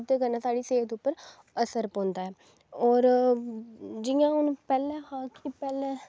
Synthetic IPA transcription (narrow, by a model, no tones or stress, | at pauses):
d̪eːkəɾnaːsaːɖiːseːt̪ʊpːəɾ | əsəɾpõːnd̪aːɦɛː | ɔːɾ | d͡ʒɪjãːʊnpɛːlɛ̃ːhaːkipɛːlɛ̃ː